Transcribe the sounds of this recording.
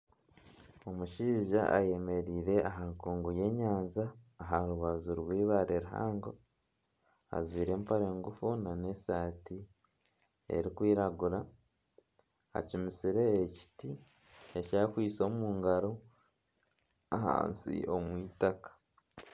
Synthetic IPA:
o̞muʃiːʒaaje̞me̞ɾiːɾe̞aɦaŋkuːŋɡuje̞ːɲaːnzaːɦaɾuβazuɾwiːβaɾeɾuɦa̰ːŋɡo̞ | a̰zwiːɾe̞ːmpaɾe̞ːŋɡufunane̞saːti | e̞̰ɾikwiːɾaɡuɾa | a̰cimisiɾe̞ːci̥ti | ecaːkwiːt͡so̞ːmuːŋɡaɾo̞ | aha̰ːnsḭo̞mwiːtakḁ

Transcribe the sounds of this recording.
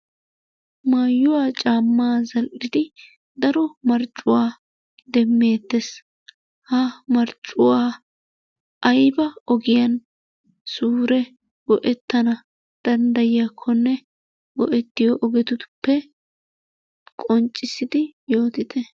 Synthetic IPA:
maːjːʊwaːt͡ʃʼaːmːaːzɐlʔɪd̪ɪ | d̪ɐɾɔmɐɾt͡ʃʼːʊwaː | d̪ɛmːe̞ːt̪ːes | hɐmɐɾt͡ʃʼːʊwaː | ʔɐjbɐɔɡɪjɐn | suːɾɛ | ɡɔʔɛt̪ːɐnɐ | d̪̥ɐnd̪ɐjɪjaːkʰːɔnːɛ | ɡɔ̰ʔɛt̪ːɪjɔʔɔɡɛt̪ʊt̪ʊ̥pːɛ | kʼɔnt͡ʃʼːɪsɪd̪ɪjo̞ːt̪ɪt̪ʰɛ

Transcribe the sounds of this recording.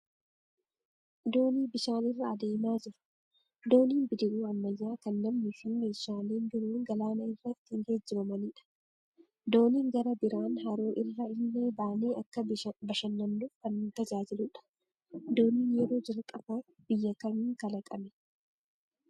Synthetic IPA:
d̪o̞ːniːbɪʃaːnɪrːɐːd̪e̞ːmaːd͡ʒɪɾʊ̥ | d̪o̞ːniːnbɪd̪ɪʔuːɐmːɐjːaːkɐnlɐmnɪfɪmeːʃaːleːnbɪɾuːŋɡɐlaːnɐɪrːɐt̪ːɪɪnhed͡ʒːɪɾɐmɐniᶑɐ̥ | d̪o̞ːniːŋɡɐɾɐbɪɾaːnɦɐɾoːʔɪrːɐɪnːeːbaːneːʔɐkːɐbɐʃɐnːɐmnufkɐnːt̪ɐd͡ʒaːd͡ʒɪlʊᶑɐ̥ | d̪o̞ːniːnjɛɾo̞ːd͡ʒɐlkʼɐbaː | b̥ɪjːɐkɐmiːŋkɐlɐkʼɐmɛ̥

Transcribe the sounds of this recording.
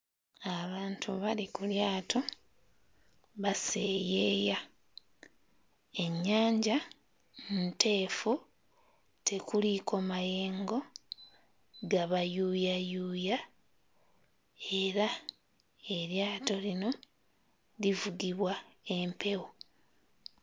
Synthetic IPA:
aβaːntʰuβalikuljaːtʰo̞ | βase̞ːjeːja | e̞ɲːaːɲɟa | nute̞ːfu | tʰe̞kuliko̞maje̞ːŋɡo̞ | ɡaβajuːjajuːja | e̞ɾa | e̞ɾjaːto̞lino̞ | livuɡiβwae̞mpʰe̞wo

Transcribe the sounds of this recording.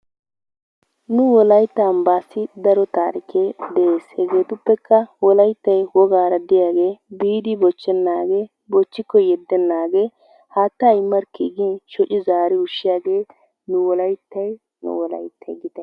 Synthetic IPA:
nʊwɔlɐjt̪ːɐːmbaːsɪd̪ɐɾɔt̪aːɾɪkʰeːd̪ɛeːshɛɡe̞ːt̪ʊpːɛkʰːɐwɔlɐjt̪ːɐjwɔɡaːɾɐd̪ɪjaːɡe̞ːbiːd̪ɪbɔt͡ʃːɛnːaːɡe̞ː | bɔt͡ʃːɪkːɔjɛd̪ːɛnːaːɡe̞ː | haːt̪ːɐjmːɐɾkiːɡinʃɔt͡ʃɪzaːɾɪʊʃːɪjaːɡeː | nʊwɔlɐjt̪ːɐj | nʊ̰wɔlɐ̰jt̪ʰːɐjɡɪt̪ɐ

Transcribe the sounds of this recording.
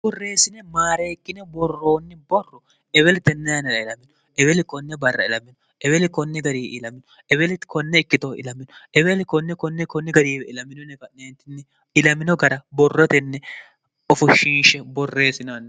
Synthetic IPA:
bɔrːe̞ːsɪnɛmaːɾeːkːɪnɛbɔrːo̞ːnːɪbɔrːɔ | ʔɛβɛlɪt̪ɛnːɛjɐnɛɾɐɪlɐmːɪnʊ | ʔɛbɛlɪkɔnːɛbɐrːɐ̰ɪlɐmːɪnʊ | ʔɛbɛlɪkɔnːɛɡɐɾiːʔɪlɐmɪnʊ | ʔɛbɛlɪkɔnːɛɪkːɪt̪ɔɪ̰lɐmːɪnʊʔɛbɛlɪkɔnːɛkɔnːɛkɔnːɛɡɐɾiːbɛɪlɐmːɪnɔnɛkɐneːnt̪ɪnːɛ | ɪlɐmɪnɔɡɐɾɐbɔrːɔt̪ɛnːɛ | ɔfʊʃinʃɛbɔrːe̞ːsɪnnː

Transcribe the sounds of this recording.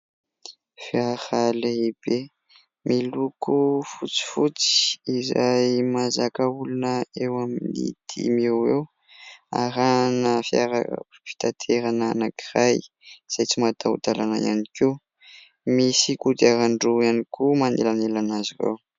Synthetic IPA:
fiahaleib̥e | mʔilukufut͡si̥fut͡si̥izajmazakaulunəewaminḭd̪̥ʰḭmewew | a̰ɾanəfia̰ɾa̰fi̥t̪at̪ʰeɾananakiraj | z̥ajt͡simat̪aṵt̪alanaja̰niki | misikud̪iaɾaɳɖ͡ʐuanikumanelanelanazirḛw

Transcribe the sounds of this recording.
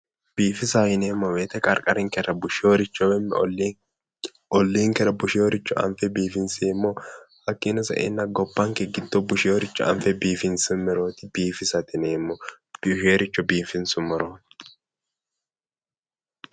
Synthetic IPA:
b̥iːfɪsajɪneːmːɔweːt̪ɛkʼɐɾkʼɐɾɪŋkɛɾɐbʊʃɪjoːɾɪt͡ʃːɔwɛmːɛ | ɔlːiːŋkɛɾɐbʊʃɪjoːɾɪt͡ʃːʊʔɐ̰mfɛbiːfɪnseːmːɔhɐkʼːinɐsɐ̰ʔḛnːɐɡɔbːɐŋkɛɡɪd̪ːɔbʊʃɪjoːɾɪt͡ʃːɔɐ̰mfɛbiːfɪnsɛmːɛɾoːt̪ɪbiːfɪsɐt̪ɪneːmːɔ | b̥ʃeːɾɪt͡ʃːɔbiːfɪnsʊmɔɾo

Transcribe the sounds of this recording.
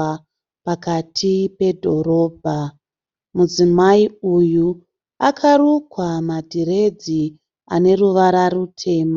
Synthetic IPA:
pakatʰipe̞dʱo̞ɾo̞ːbʱa | mud͡zimaiuju | akʰarukwamadʱiɾe̞d͡zi | a̰ne̞ruʋaɾarutʰe̞ːma

